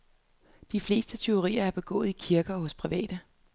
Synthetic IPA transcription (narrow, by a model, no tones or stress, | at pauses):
d̥ifle̝ːsd̥ət͡sʰe̝o̝ʁḭːɐæɐb̥e̝ɡ̥ɔ̰ːð̩ˠikʰiɐɡ̥ɐːɦɔ̽spʰʁiʋɛ̰ːd̥ə